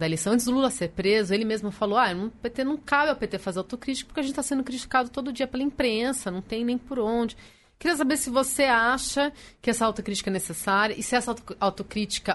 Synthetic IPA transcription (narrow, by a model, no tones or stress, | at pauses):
d̪ɐelejsɐ̃w̪̃t͡ʃɪzd̪ʊlulɐseɾpɾezʊelɪmezmʊfalowajnɐ̃w̃pet̪enɐ̃w̃kabɪɐwpet̪efazeɾawt̪okɾit͡ʃikɐpoɾkeɐʒẽt͡ʃɪt̪asẽnd̪ʊkɾit͡ʃi̥kad̪ʊt̪od̪ʊd͡ʒiɐpelɐĩpɾẽsɐnɐ̃w̃t̪ẽj̃nẽj̃pʊɾõd͡ʒɪ | kɪɾiɐs̬abeɾsɪvoseaʃɐkɪɛsɐawt̪okɾit͡ʃi̥kɐɛnesesaɾjɐʔɪsɪɛsɐawt̪okɾit͡ʃi̥kɐ